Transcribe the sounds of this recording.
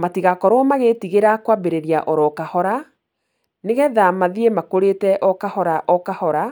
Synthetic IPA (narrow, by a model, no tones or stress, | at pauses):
matiɣakɔɾɔmaɣetiɣeɾakwabeɾeɾiaʔɔɾɔkahɔɾa | neɣɛðamaðiemakoɾetɛʔɔkahɔɾaʔɔkahɔɾa